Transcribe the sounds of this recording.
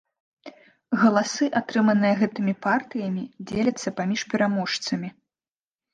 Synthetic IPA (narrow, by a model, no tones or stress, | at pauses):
ɣɐlˠasɨʔat̪ɾɨmɐnɨjɐɣɛt̪ɨmʲipart̪ɨjɐmʲid͡zʲelʲɐt̪sːɐpamʲiʂpʲɛɾamɔʂt̪sɐmʲi